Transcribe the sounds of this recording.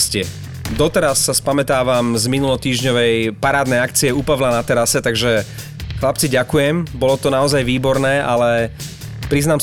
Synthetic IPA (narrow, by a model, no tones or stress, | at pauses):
scɪɛ | d̪ɔt̪ɛɾasːaspamɛt̪aːʋamzminulɔt̪iːʒɲɔʋɛjpaɾaːd̪nɛjak̚t͡siɛuːpaʋlanat̪ɛɾasɛt̪aɡʒɛ | xlap̚t͡siɟakujɛmbɔlɔt̪ɔnaɔzajʋiːbɔɾnɛːʔalɛ | pɾiznaːm